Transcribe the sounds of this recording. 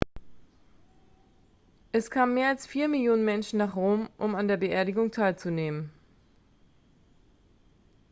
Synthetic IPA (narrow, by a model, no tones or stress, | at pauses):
ʔɛskʰaːmənmːeːɐalsfiːɐmɪljoːnənmɛnʃn̩naːχʁoːmʔʊmandeːɐbəʔeːɐɾɪɡʊŋtʰaɪlt͡suneːmən